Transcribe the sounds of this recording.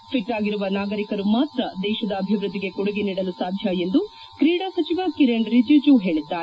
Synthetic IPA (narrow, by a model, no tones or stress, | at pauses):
pʰiʈːaːɡiɾuʋɐnaːɡɐɾikɐɾumaːt̪ɾɐd̪ɛːʃɐd̪ɐːbʱiʋɾud̪ːiɡe̞koɽuɡeniːɽɐlusaːd̪ʱjɐe̞nd̪u | kɾiːɽasɐt͡ʃiʋakiɾeɳɖɾid͡ʒjud͡ʒuɦe̞ːɭid̪ːaːɾe